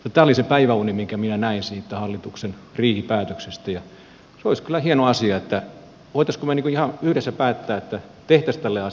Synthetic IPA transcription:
jɑt̪æːolisepæiʋæunimiŋkæminænæinsiːt̪ːæhɑlːit̪uksenriːhipæːt̪øksest̪æjɑ | seoiskylːˑæhienoɑsiɑet̪ːæ | ʋoit̪ɑskomeniːkuihɑyhɾesːæpæːt̪ːæːet̪ːæt̪eht̪æst̪ælːeɑ

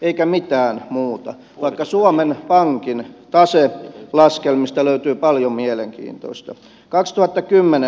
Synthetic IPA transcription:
eikæmit̪æːnmuːt̪ɑ | ʋɑikːɑsuomenpɑŋkint̪ɑselɑskelmist̪æløyt̪yːpɑljommieleŋkḭːnt̪o̰ist̪ɑ | kɑkst̪uhɑt̪ːɑkymːene

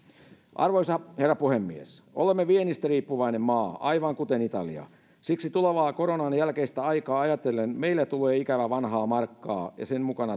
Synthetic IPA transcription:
ʔɑ̰rʋoisɑherːɑpuhemːiḛsʔo̰lemːeʋienist̪æriːpːuʋɑinemmɑːɑiʋɑŋkut̪enit̪ɑ̰lḭɑ̰ | siksit̪uleʋɑːkoɾonɑnjælkeist̪æɑikɑːɑjɑt̪elːenmeilːæt̪uleːikæʋæʋɑnɦɑːmɑrkːɑ̰ːjɑ̰semmukɑnɑ

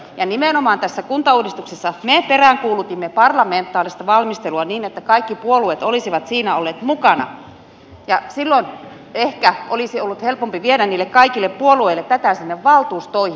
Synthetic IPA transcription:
jɑnimenomɑːnt̪æsːækunt̪ɑuːdist̪uksesːɑmeperæˑŋkuːlut̪imːepɑrlɑment̪ːˑɑːlist̪ɑʋɑlmist̪eluɑniːnet̪ːækɑikːipuoluet̪olisiʋɑt̪siːnæolːeːt̪mukɑnɑ̰ | jɑsilːon | ehkæolisiolːut̪helpompiʋieɾænniːlːekkɑikilːeppuolueilet̪t̪æt̪æˑsinːeʋʋɑlt̪uːst̪oih

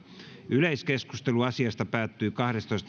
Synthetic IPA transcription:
yleiskeskust̪eluɑsiɑst̪ɑpæːt̪ːyːkɑhɾest̪oist̪

